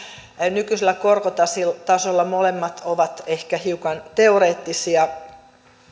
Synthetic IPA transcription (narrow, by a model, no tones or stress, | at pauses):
nykyselːækorkot̪ɑsilt̪ɑsolːɑmolemːɑt̪ʰoʋɑt̪ehkæhiukɑnt̪eoɾeːt̪ːisiɑ